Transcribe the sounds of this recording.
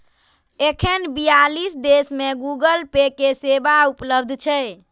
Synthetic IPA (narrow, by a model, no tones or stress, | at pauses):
ekʰenbijalisd̪esmeɡuɡəlpekesebaupləbd̪ʱt͡ʃʰɛ